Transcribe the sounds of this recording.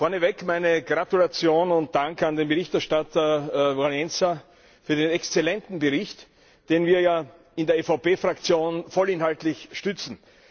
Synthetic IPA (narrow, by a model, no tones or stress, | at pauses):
fɔɐnəvɛkmaɪnəɡ̥ʁatulat͡sjoːnʊnt̚d̥aŋkandeːnbəʁɪçtɛɐʃtatɐvalɛnt͡sa | fyːɐdeːnɛkst͡selɛntn̩bəʁɪçt | d̥eːnviːɐjaː | ɪndeːɐfaʊpeːfʁakt͡sjoːnfɔlɪnɦaltlɪçʃtʏt͡sn̩